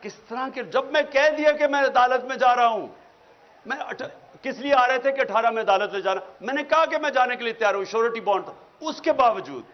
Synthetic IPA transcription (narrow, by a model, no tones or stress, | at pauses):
kɪst̪ɐɾãked͡ʒɐbmɛ̃kɛɦd̪iakemɛ̃ɐd̪aːlət̪mẽd͡ʒaːɾɐaɦũː | mɛ̃ɐʈʰkɪslieaːɾɐet̪ʰekeɐʈʰaːɾamẽɐd̪aːlət̪mẽd͡ʒaːnamɛ̃ːnekɐɦakemɛ̃d͡ʒaːnekeliet̪jaːɾɐɦũʃoːɾeʈibɔ̃ːɳt̪o | ʊskebaːʋəd͡ʒṵːd̪̚